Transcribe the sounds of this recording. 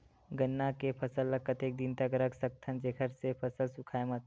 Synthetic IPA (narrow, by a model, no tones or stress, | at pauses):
ɡənːakepʰəsəlːɐkːət̪eːk̚d̪int̪aɡəɾəksək̚t̪ʰənd͡ʒeːkʰəɾsepʰəsəlsʊkʰaːemət̪